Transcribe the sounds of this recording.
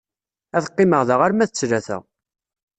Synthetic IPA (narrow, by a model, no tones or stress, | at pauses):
æθə̥qːɪməʁðəʁaɾmæθət͡sːɾæθæ̰ʁ